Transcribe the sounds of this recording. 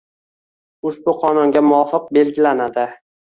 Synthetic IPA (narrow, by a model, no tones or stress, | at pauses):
ʊʃbʊqʰɒnʊŋɡʲamʊɒfɨq̚be̞lɡʲɪlanad̪ɪ